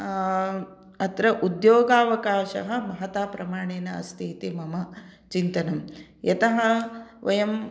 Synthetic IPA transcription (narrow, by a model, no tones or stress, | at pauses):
ɐt̪ɾɐʔud̪joːɡaːʋɐkaːʃɐ̰ɦɐ̆mɐɦɐt̪aːpɾɐmaːɳeːnɐɐ̰st̪ʰiːt̪imɐmɐt͡ʃint̪ɐnɐmjɐt̪ɐɦɐ̆ʋɐjɐm